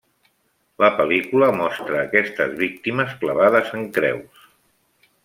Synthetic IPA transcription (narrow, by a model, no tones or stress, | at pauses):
ləpəlikuləmɔst̪ɾəːkɛst̪ə̰zβik̚t̪iməskləβaðəzəŋkɾɛ̰ws